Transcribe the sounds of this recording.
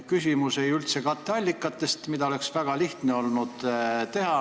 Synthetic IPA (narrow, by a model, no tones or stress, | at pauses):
kysʲimuse̞jylt̪se̞kɑt̪ːˑeɑlʲːikːˑɑt̪ːe̞st̪mid̪ɑo̞le̞ksvæɡ̥ɑliht̪ne̞o̞lnud̪̥t̪e̞ɦɑ